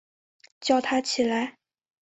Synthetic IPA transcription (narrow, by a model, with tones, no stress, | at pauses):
t͡ɕjɑ˥˩ʊt̪ʰa˥t͡ɕʰi˨˩la˧˥ɪ